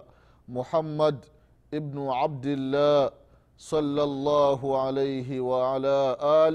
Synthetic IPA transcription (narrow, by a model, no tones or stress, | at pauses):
mʊħamːad̪ | ʔɪbnʊʕab̚d̪ɪlːaː | sˤɑlːalˤːaːɦʊʕalajɦɪwaʕalaːʔaːl